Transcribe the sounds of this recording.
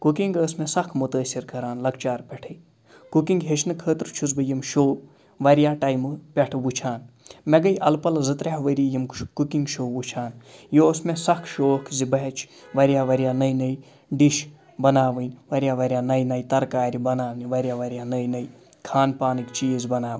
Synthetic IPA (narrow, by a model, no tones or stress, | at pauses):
kukiŋɡəːsmesɐkʰmut̪əːsiɾkɐɾaːnlɐkt͡ʃaːɾpʲɛʈʰəj | kukiŋɡɦet͡ʃʰnɨkʰəːt̪ɾt͡ʃʰuzbɨjimʃoː | ʋɐɾjaːʈɐjmɨpʲɛʈʰʋut͡ʃʰaːnmɛɡɐjʔɐlpɐlzɨt̪ɾeɦʋəɾijimkukiŋɡʃoːʋut͡ʃʰaːnjosmesɐkʰʃoːkʰzibɐɦɛt͡ʃʰ | ʋɐɾijaːʋɐɾijaːnɐjnɐj | ɖiʃ | bɐnaːʋɨnʲʋɐɾʲjaːʋɐɾʲjaːnɐjnɐjt̪ɐɾkaːɾibɐnaːʋnʲʋɐɾʲijaːʋɐɾijaːnəjnɐj | kʰaːnpaːnɨkt͡ʃiːzbɐnaːʋ